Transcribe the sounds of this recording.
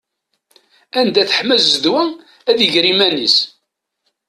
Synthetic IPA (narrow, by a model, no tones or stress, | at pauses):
ænd̪æθə̥ħmæzːðwæ | æðiʝɾimænis